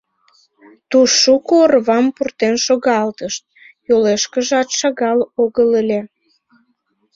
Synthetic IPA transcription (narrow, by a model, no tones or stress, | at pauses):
t̪uʃːukoːrβɑmpurt̪enʃoɣɑlt̪əʃt̪̚ | joleʃkəʒɑt̪ʃɑɣɑloɣələlʲe